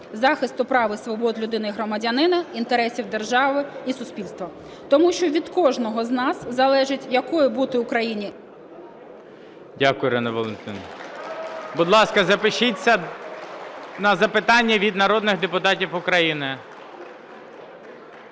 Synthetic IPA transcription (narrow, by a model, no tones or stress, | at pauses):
zɑxɪst̪ʊpɾɑʋɪsʋɔbɔd̪lʲʊd̪ɪnɪɦɾɔmɐdʲɐnɪnɐint̪eɾɛsʲiwd̪e̞rʒɑʋɪisʊsʲpʲilʲst̪ʋɐ | t̪ɔmuʃt͡ʃɔʋʲid̪kɔʒnɔɦɔznɑszɐlˠɛʒɪtʲjɐkɔjɪbut̪ɪʊkɾɐjinʲi | dʲakʊjʊɾɛnɐʋɔlˠent̪ɪ̰n | bʊd̪lˠɑskɐzɐpɪʃɪt͡sʲːɐ | nɐzɐpɪt̪ɑnʲːɐʋʲid̪nɐɾɔd̪nɪɣd̪epʊt̪ɑtʲifʊkɾɐjinɪ